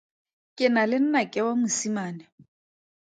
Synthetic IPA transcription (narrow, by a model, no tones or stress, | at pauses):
kʼɪnalɪn̩nakʼɪwamʊsimaːnɛ